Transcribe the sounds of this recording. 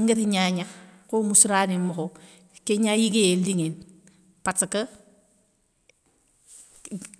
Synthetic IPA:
ŋɡetiɲaɲakomusɾanimoko | keɲajiɡejeldiŋen | patəkə

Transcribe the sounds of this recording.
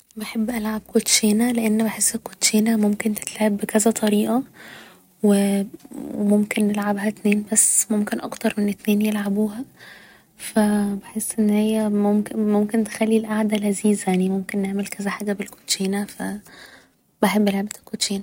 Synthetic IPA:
beħebːʔælʕab̚kot̪ʃiːnæleʔenːbeħesːekːot̪ːʃiːnæmomkent̪et̪lʕebːekæzæt̪ˤɑɾiːʔɑ | we | wemomkenːelʕabɦæt̪neːnbæsːmomkenʔɑ̰kt̪ɑɾˤmenet̪neːnjelʕabuːhæ | fæbeħesːʔenːhejːæmomkmomkent̪e̥xælːilʔaʕd̪ælʔæziːzæjaʕnimomkenːeʕmelkʰæzæħaːɡæbelko̥t̪ʃiːnæfæ̰ | beħebːʔelʕabt̪ækːoʃiːnæ

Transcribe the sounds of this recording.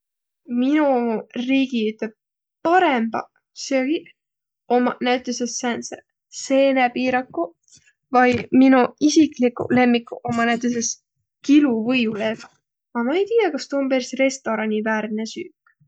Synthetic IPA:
minuriːɡ̥iyt̪leb̥̚ | pɑɾe̞mb̥ɑ̰ | seoɡi | omɑnæɥt̪ːˑesesːæːnse | se̞ːnepiːɾɑkːu | vɑjminuisiklikːṵle̞mːikːuʔo̞mɑnæɥt̪ˑes̬e̞s | kiluvɤjule̞ːv | ɑmɑejt̪ijɑkɑst̪uompeɾsre̞st̪o̞ɾɑnʲivæːɾnesyːkː

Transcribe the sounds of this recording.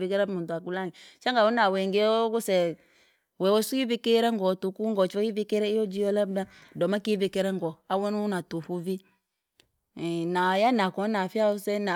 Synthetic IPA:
vikɛɾɛmutuakulaŋit͡ʃaŋɡawunawɛŋɡeɔɡusɛ | wɛwɔsujivikeɾɛŋɡɔtukuŋɡɔt͡ʃɔjivikɛɾɛiɔd͡ʒijɔlabdadɔmakivikɛɾɛŋɡɔawɛnunatufuvi | najanakɔnafiausɛna

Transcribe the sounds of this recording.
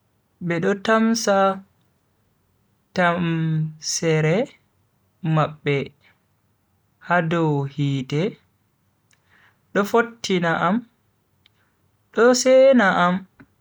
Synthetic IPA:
bɛɗɔtamsa | tamsɛɾɛ | maɓːɛ | hadɔwhiːtɛ | ɗɔfotːinaʔam | ɗɔsɛnaʔam

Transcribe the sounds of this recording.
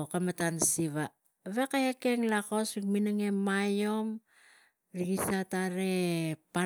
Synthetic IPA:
kamatansiβa | βekajake̞ŋlako̞sikminaŋemajo̞m | ɾiɡisataɾepa

